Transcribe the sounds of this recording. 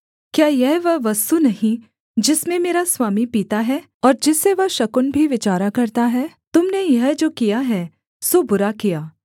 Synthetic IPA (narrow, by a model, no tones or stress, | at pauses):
kjaːjɛɦʋɐʋɐst̪unɐɦĩ | d͡ʒɪsmẽmeːɾaswaːmipiːt̪aɦɛː | ɔːɾd͡ʒɪsːeʋɐʃɐkʊnbʱiʋɪt͡ʃaːɾakɐɾt̪aɦɛː | t̪ʊmnejɐɦd͡ʒoːkijaɦɛː | sobʊɾakijaː